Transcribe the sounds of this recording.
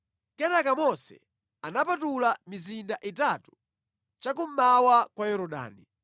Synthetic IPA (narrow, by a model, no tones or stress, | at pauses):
kɛnakamɔsɛ̰ | anapatulamizindaʔitatu̥ | t͡ʃak̬um̩mawakwajɔɾɔɗa̰ːni